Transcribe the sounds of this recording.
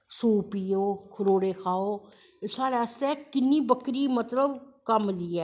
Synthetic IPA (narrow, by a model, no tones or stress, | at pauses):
suːpiːoːkʰʊɾoːɽeːkʰaːoː | ɪsaːɾaːst̪ɛkɪnːiːbəkɾiːmət̪ləbkəmliːɛː